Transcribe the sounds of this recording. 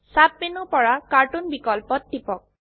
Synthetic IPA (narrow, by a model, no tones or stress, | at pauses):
sap̚minupɔɹakaɹʈunbikɔlpɔt̚dipɔk̚